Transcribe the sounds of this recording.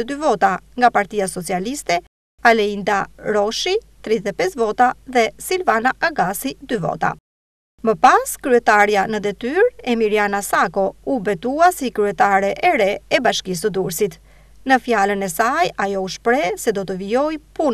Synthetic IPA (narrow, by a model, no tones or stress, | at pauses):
d̪yvɔt̪aŋɡapaɾt̪iasɔt͡sialist̪ɛ | alɛind̪aɾɔʃit̪ɾiðɛt̪ɛpɛsvɔt̪aðɛsilvanaʔaɡasid̪yvɔ̰t̪a̰ | məpaskɾyɛt̪aɾjanəd̪ɛt̪yɾɛmiɾjanasakɔubɛt̪uasikɾyɛt̪aɾɛʔɛɾɛɛbaʃkis̬əd̪uɾsit̪ | nəfjalənɛsajajɔuʃpɾɛsɛd̪ɔt̪əviɔjpun